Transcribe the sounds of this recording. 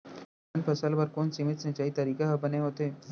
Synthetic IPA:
npʰəsəlbəɾkoːnsɪmɪt̪sə̃t͡ʃaːit̪ɐɾiːkaɦəbəneɦoːt̪eː

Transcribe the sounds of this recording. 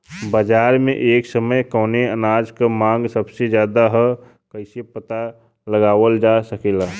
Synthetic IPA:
bəd͡ʒaːɾmẽʔeːksəməjkəʊneənaːd͡ʒkamãːŋɡsəbsed͡ʒjaːd̪aɦə | kəɪsepət̪a | ləɡaːʋəld͡ʒasəkela

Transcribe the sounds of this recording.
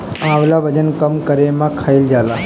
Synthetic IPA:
ãaʋlaʋəd͡ʒənkəmkəɾemãkʰaild͡ʒala

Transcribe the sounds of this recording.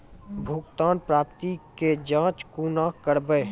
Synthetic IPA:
bʱʊɡt̪aːnpɾaːpt̪iked͡ʒãːt͡ʃkuːnakəɾbəe

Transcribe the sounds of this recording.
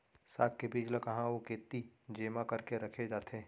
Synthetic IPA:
saːk̚kebiːd͡ʒləkɐɦãokeːt̪ːid͡ʒeːmakɐɾkeɾɐkʰed͡ʒaːt̪ʰeː

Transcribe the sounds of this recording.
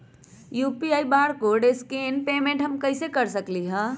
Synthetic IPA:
juːpiaːibaːɾkoɖeːskeːnpeːmẽɳʈɦɐmkɐɪsekɐɾsɐkliɦɛ̃ː

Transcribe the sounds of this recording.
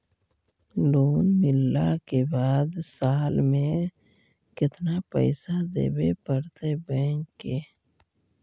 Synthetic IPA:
loːnmɪlːakebaːd̪saːlmẽ | kɪt̪napə̰ɪsad̪ḛːbepəɽt̪ebəːŋkːeː

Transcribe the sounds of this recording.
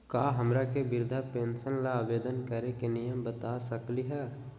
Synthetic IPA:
kaːɦɐmɾakebɪɾd̪ʱapeːnsənlaːʋeːd̪ənkəɾekenijəmbət̪asəkliɦɛː

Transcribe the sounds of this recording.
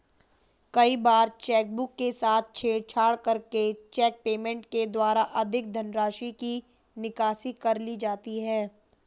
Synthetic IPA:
kɐibaːɾt͡ʃɛːk̚bʊkːesaːt̪̚ʰt͡ʃʰeːɽt͡ʃʰaːɽkɐɾket͡ʃɛːk̚peːmɛ̃ɳʈked̪waːɾaʔɐd̪ʱɪk̚d̪ʱɐnɾaːʃiki | nɪkaːsikɐɾlid͡ʒaːt̪iɦɛː

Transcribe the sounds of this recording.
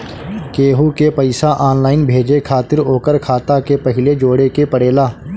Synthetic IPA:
keːɦukepɐɪsaʔaːnlaːɪnbʱeːd͡ʒekʰaːt̪ɪɾoːkəɾkʰaːt̪akepɐɦɪled͡ʒoːɽekepəɽeːlaː

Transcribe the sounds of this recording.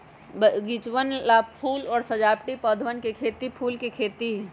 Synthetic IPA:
bəɡit͡ʃʋənlapʰuːlɔːɾsɐd͡ʒaːpʈipəd̪ʱʋənkekʰeːt̪ipʰuːlkekʰeːt̪i

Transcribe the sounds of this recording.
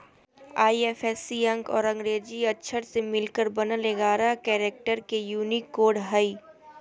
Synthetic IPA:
aːieːfɛːsiɐ̃ŋkɔ̰ːɾɐ̃ŋɡɾeːd͡ʒiɐtːʃʰəɾsemɪlkəɾbɐnaleɡaːɾakɛːɾeːk̚ʈəɾkejuːnikːoːɖɦəiː

